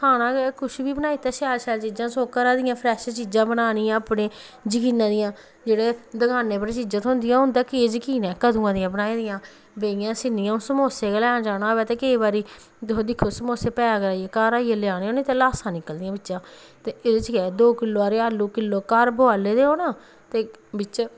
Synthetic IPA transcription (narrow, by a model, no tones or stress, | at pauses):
kʰaːnãːɡɛkʰʊʃbiːbənaːiːt̪ɛːsaːlʃɛːlt͡ʃiːd͡ʒãːsõːkəɾãːd̪ɪjãːpʰɾɛːʃt͡ʃiːd͡ʒãːbənaːnɪjãːəpneː | d͡ʒɪkiːnːãːd̪ɪjãː | d͡ʒeːɽeːd̪əɡaːneːpəɾet͡ʃiːd͡ʒãːt̪ʰõɦʊ̃nd̪ɪjãːɦʊ̃nd̪aːkɪeːd͡ʒkiːnɛːkəd̪ũːãːd̪ɪjãːbənaːĩːd̪ɪjãː | beɪjãːsɪnːɪjãːõsəmoːseːkːlɛ̃ːd͡ʒaːnaːbɛːt̪eːkəiːbaːɾiː | d̪ɦoːd̪ɪkʰːoːsəmoːseːpɛːaːkɾaːieːkaːɾaːielɪaːneːoːnẽːt̪eːlaːsãːnɪkːəld̪ɪjãːbɪt͡ʃːʃãː | t̪eːɪd̪et͡ʃɡɛːd̪oːkɪlːoːaɾeːalːuːkɪlːoːkaːɾboaːleːd̪eːoːnãː | t̪eːbɪt͡ʃ